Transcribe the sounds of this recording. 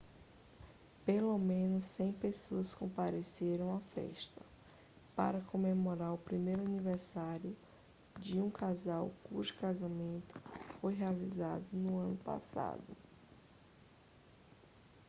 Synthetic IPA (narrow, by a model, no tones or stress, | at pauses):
pelomẽnʊsːẽj̃pesoɐskõpaɾeseɾɐ̃w̃afɛ̰ʃt̪ɐ | pa̰ɾɐkõmemoɾaɾʊpɾimejɾʊaniveɾsaɾiʊ | d͡ʒɪũkazawkuʒʊ̥kazamẽnt̪ʊ̥fojɦealiza̰d̪ʊnʊɐ̃nʊpa̰sa̰d̪ʊ